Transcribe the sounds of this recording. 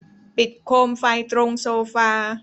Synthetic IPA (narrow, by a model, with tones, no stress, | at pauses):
pi˨˩t̪̚kʰoː˧mfa˧jt̪ɾo˧ŋsoː˧faː˧